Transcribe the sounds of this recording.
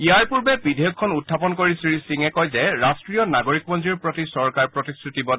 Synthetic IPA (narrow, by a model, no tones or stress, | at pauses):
iaɹpuɹbɛbidʱɛjɔkʰːɔnutʰːapɔnkoɹisɹisiŋɛkɔjzɛɹastɹijɔnaɡoɹikmɔnziɹpɹɔtisɔɹkaɹpɹɔtistʰɹitibɔ